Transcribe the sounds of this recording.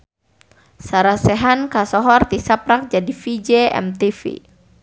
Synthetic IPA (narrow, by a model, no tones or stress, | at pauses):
saɾasɛɦankasɔɦɔrt̪isapɾak̚d͡ʒadifid͡ʒɛɛ̰mt̪ifḭ